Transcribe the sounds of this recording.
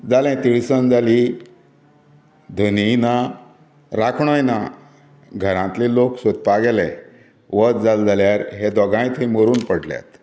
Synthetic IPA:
d͡zalɛ̃t̪iɭsənd͡zali | d̪ʱənina | ɾakʰɳɔjna | ɡʱəɾãt̪liloksot̪̚paɡelɛ̃ | ʋət̪̚d͡zald͡zaljaɾɦed̪ɔɡãĩt̪ɦĩmoɾuːnpəɽ̤lja̰t̪

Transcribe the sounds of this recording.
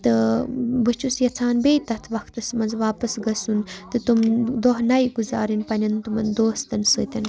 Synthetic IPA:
t̪ɨbət͡ʃʰusjɐt͡sʰaːnbeːt̪ɐt̪ʰʋɐkt̪ɐsmɐnzʋaːpɐsɡɐsunt̪ɨt̪umd̪oɦnɐjɡuzaːɾinpɐnʲɐnt̪umɐnd̪oːst̪ɐnsɨːt̪ʲɐn

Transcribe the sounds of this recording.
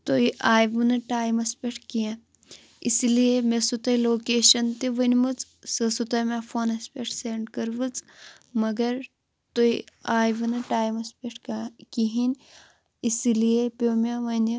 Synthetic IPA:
t̪oiʔaːjʋɨnɨʈaːjmɐspʲeʈʰkijã | isilijemesut̪ɐjloːkeːʃɐnt̪iʋɐnʲmɨt͡s | sɨsut̪ɐmʲafʰonɐspʲeʈʰseɳɖkɐɾʋɨt͡s | mɐɡɐɾ | t̪ojaːjʋɨnɨʈaːjmɐspʲeʈʰkiɦinʲ | isilijepʲomʲaʋɐnʲi

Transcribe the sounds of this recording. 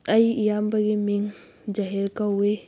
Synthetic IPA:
ɐjijambɐɡimiŋ | d͡ʒɐɦiɾkɐwe

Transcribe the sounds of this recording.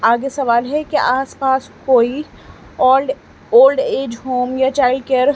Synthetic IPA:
aːɡesɐʋaːlɦɛkiʔaːspaːskoːiː | oːlɖeːd͡ʒɦoːmjat͡ʃaːɪlɖkeəɾ

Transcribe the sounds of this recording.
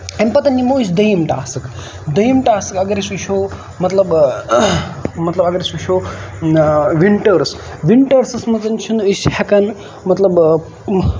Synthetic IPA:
ɐmpɐt̪ɐnːimoːt͡ʃd̪ɐjimʈa̰ːsɨk | d̪ɐjimʈaːsɨkɐɡɐɾisiʃʰo | mɐt̪lɐb | mɐt̪lɐbɐɡɐɾʲisʋiʃʰo | ʋiɳʈɐɾs | ʋiɳʈɐɾsɐsmɐzɐnt͡ʃʰunishɐkɐn | mɐt̪lɐb

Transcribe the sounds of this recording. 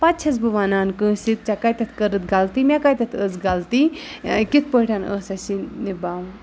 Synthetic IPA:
pat̪̚t͡ʃʰɐz̬bɨʋaːnaːnkɨ̃ːsit̪̚t͡ʃakajt̪ɐt̪ʰkɐɾɨt̪ɡalt̪imʲakajt̪ɐt̪ʰəzɡalt̪ikit̪̚ʰpəːʈʰanə̰ːsɐsinibaːw

